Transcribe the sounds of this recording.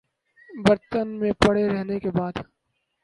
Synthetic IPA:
bɐɾt̪ənmẽpɐɽ̤eɾɛɦnekebaːd̪

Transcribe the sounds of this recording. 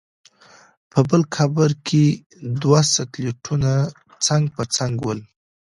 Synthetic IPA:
pəbəlkabəɾkʰe | d̪wasakleʈʰuna | t͡saŋɡ̚pət͡saŋɡwəl

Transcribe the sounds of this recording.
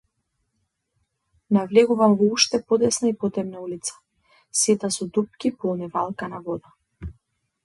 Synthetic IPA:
navlɛɡuvamvɔuʃt̪ɛpɔd̪ɛsnaipɔt̪ɾɛbnaulit̪sḁ | sɛt̪asɔd̪up̚kʲipɔlˠnivalˠkanavɔd̪a

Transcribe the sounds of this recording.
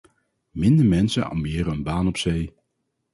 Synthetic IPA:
mɪndəɹmɛnsənɑ̰mɪːɾəənbaːnɔpsej

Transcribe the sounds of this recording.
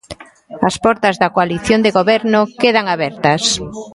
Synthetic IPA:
ɐspɔɾt̪ɐzðɐkoaliθjond̪eɣoβɛɾnʊkeð̞aŋaβɛɾt̪ɐs

